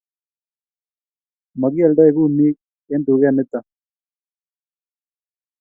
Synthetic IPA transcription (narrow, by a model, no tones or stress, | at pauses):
maɣialdaeɣumik | end̪uɣeanet̪a